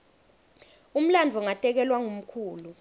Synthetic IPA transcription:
um̩land͡vʱɔŋatʼɛk̬ɛlwaŋum̩kʰuːlu

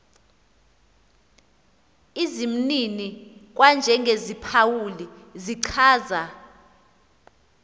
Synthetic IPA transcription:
izim̩ninik̬ʼwand͡ʒʱɛŋɡʱezipʰawuliziǀʰaːza

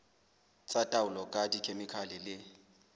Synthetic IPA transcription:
t͡sʼatʼaʊlɔkʼadikʰemɪkʰalɪlɪ

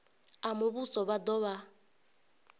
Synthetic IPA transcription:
amʊβusɔβadɔβa

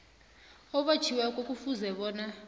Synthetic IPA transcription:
ɔɓḁt͡ʃʰiwɛkʼokʼufuzɛɓɔːna

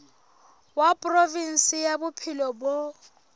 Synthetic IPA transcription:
wapʼrovin̩sijabʊpʰɪlɔbo

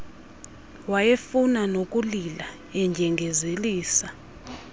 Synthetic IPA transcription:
wajefunanokʼulila | ɛɲd͡ʒʱɛŋɡʱezeliːsa

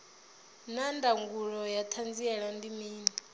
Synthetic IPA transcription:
nandaŋɡuɺɔjatʰand͡ziɛɺandimiːni

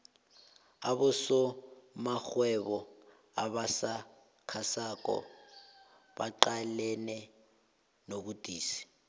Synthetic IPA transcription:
aβʊsɔmak͡xwɛβɔ | aβasa | kʰasakʼɔ̰ | baǃalɛnɛ | nokudʱʼiːsi̥

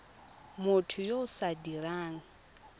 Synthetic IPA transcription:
mʊtʰʊjoʊsadiɾaːŋ̩

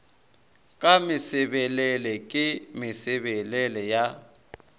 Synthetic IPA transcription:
kʼamɪsɛɓɛlɛlɛkʼɪmɪsɛɓɛlɛlɛja

